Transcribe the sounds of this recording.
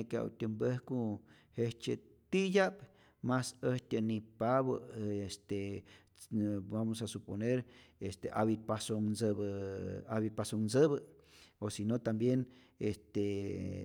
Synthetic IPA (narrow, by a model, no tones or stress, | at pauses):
ekea̰w̰t̪ʲəmbehko | heht͡ʃe | t̪ijap | masəht̪ʲanipaβə̰est̪e | bamosasuponeɾest̪eʔa̰βipasoŋsbəaβipasoŋnsəβə | osinot̪ambjen | est̪e